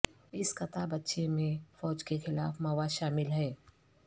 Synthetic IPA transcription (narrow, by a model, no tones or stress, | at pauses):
ɪskɐt̪abɐtːʃemẽfɔːd͡ʒkexɪlaːfmɐʋaʃaːmɪlɦɛː